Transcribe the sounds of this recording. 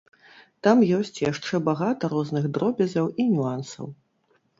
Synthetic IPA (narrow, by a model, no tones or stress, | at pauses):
t̪amjɔsʲt͡sʲjaʂt͡ʂɛbaɣat̪ɐɾɔznɨɣd̪ɾɔbʲɐzʲɐwinʲuansɐ̰w